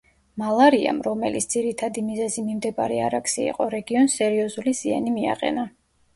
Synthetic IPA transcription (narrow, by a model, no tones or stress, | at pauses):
malˠaɾia̰mɾɔmɛlitsʰd̪ziɾit̪ʰad̪imizɛzimimd̪ɛbaɾiaɾaksiḭqʼɔɾɛɡiɔnsɛɾiɔzuliz̥ia̰nimia̰qʼɛ̰na